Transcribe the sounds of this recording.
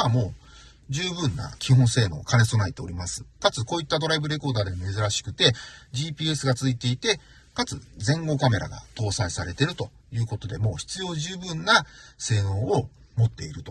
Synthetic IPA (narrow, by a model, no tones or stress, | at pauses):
amo̞ː | d͡ʑɨːbɯ̟̃nːa̰kʲihõ̞ɰ̃se̞ːnoːkʰaneso̞nait̪e̞o̞̰ɾʲimasɨ̥kat͡sɨko̞ːit̪ːad̪o̞ɾaibɯ̟ɾe̞ko̞ːd̪aːd̪e̞mome̞zɨɾaɕi̥kɯ̟t̪e̞ʑiːpʲiːe̞sɨɡat͡sɨit̪e̞it̪e̞ | kat͡sɨd͡zẽ̞ŋɡo̞kame̞ɾa̰ɡa̰t̪o̞ːsaisaɾe̞t̪e̞ɾɯ̟t̪o̞ | jɯ̟ːko̞t̪o̞d̪e̞mo̞ːçi̥t͡sɨjo̞ːʑɨːbɯ̟̃nːase̞ːnõ̞ːo | mo̞t̪ːe̞iɾɯ̟t̪o